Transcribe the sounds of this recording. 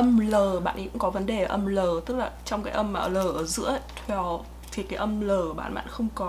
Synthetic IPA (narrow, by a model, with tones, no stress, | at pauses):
ʔə˧mləː˨˩ɓa̰ː˧˨nkʊ̰˧˥kɔ˨˦və˨˦nɗe˨˩ʔə˧mləː˨˩t̪ɨ˦˥k̚laː˨˩t͡ɕɔ˧wŋ͡mkaː˨˦jʔə˧məː˧˩ləː˨˩ʔəː˧˩zɨ̰˧˥ət̪ʰwɛ˧˩w | t̪ʰi˨˩kaː˨˦jʔə˧mləː˨˩ɓa̰ː˧˩nɓa̰ː˧˨nxə˧wŋ͡mkɔ˨˦